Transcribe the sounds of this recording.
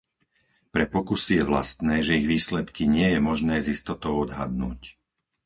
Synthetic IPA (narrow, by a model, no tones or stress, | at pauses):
pɾɛpɔkusijɛʋla̰st̪nɛːʒɛiɣʋiːslɛt̪kiɲɪɛjɛmɔʒnɛːzist̪ɔt̪ɔʊɔd̪ɦa̰d̪nṵːc